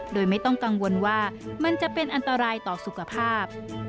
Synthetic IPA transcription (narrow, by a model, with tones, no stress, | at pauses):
doː˧jma˥˩jt̪ɔ˥˩ŋka˧ŋwo˧nwaː˥˩ma˧nt͡ɕa˨˩ʔpe˧nʔa˧nt̪a˧ɾaː˧jt̪ɔː˨˩su˨˩kʰa˧pʰaː˥˩p̚